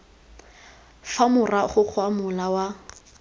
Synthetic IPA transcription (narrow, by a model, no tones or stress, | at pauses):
famʊraχʊk͡xʰwamʊlawa